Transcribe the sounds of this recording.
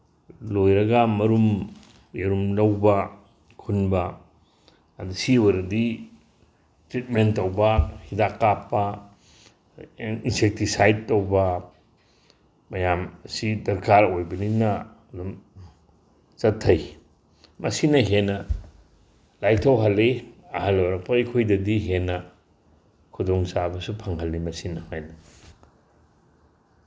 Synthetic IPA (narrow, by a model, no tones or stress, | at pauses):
lojɾɐɡɐmɐɾum | jeɾumlɐwbɐ | kʰunbɐ | dusiweɾɐdi | stɾit̚mentːɐwbɐhidakːapːɐ | insek̚tisajd̚tɐwbɐ | mɐjamsidɐɾkʰaɾojbɐninɐː | dum | t͡ʃɐtʰːɐj | mɐsinɐɦenːɐ | lajtʰɐwɦɐlːiɐhɐlːowɾɐk̚pɐɐkʰojdɐdiɦenːɐ | kʰudoŋsabɐsupʰɐŋɦɐlːimɐsinɐhajnɐ